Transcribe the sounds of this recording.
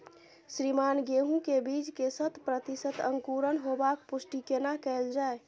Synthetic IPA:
sɾimanɡeɦũkebid͡ʒkesət̪pɾət̪isət̪əŋkuɾənɦobakpusʈikenakɛeld͡ʒae

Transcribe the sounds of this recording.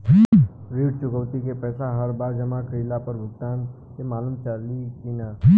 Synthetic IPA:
ɾiːɽt͡ʃʊkəwt̪ikepɛːsaɦəɾbaːɾd͡ʒɐmakɾiːlapəɾbʱʊɡ̚t̪aːn | kemaːləmt͡ʃaːlikina

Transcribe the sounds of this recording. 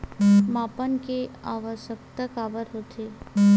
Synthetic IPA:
maːpənkeaːʋəʃək̚t̪əkaːbəɾɦoːt̪ʰeː

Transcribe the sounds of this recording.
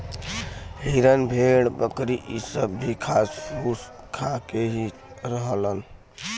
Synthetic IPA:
ɦiɾənbʱeɽbəkɾiʔisəbːʱikʰasɾus | kʰakeɦi | ɾəɦələn

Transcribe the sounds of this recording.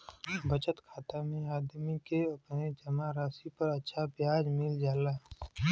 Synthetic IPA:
bət͡ʃət̪kʰaːt̪amẽaːd̪mikeɐpned͡ʒɐmaɾaːsipɐɾɐtːʃʰapjaːd͡ʒmɪld͡ʒaːlaː

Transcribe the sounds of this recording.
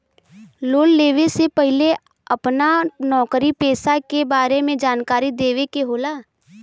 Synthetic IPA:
loːlːeːʋesepəɦɪle | əpnanɔːkɾipeːsakebaːɾemẽd͡ʒaːnkaːɾid̪eːʋekeɦoːlaː

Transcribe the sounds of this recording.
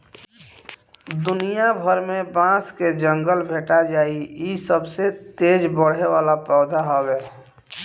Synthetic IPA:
d̪ʊnijabʱəɾmẽbãːsked͡ʒə̃ŋɡəlbʱeːʈad͡ʒaːiisəbset̪eːd͡ʒbəɽ̤eʋaːlapɛːd̪ʱaɦoweː

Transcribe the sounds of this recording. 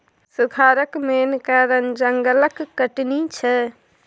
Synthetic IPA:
suɡʰʱaːɾəkmenkaɾənd͡ʒəŋɡələkːəʈnit͡ʃʰə

